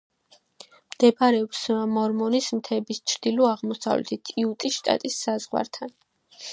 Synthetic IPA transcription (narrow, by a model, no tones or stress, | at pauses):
md̪̥ɛbaɾɛɔpsamɔɾmɔnismt̪ʰɛbist͡ʃʰɾd̪ilɔaʁmɔsa̰vlɛ̰t̪ʰit̪ʰiut̪ʼiʃt̪ʼa̰t̪ʼisːazʁwa̰ɾt̪ʰan